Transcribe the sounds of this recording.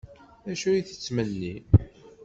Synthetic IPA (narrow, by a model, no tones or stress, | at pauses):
æʃuiθə̥t͡sːməlːi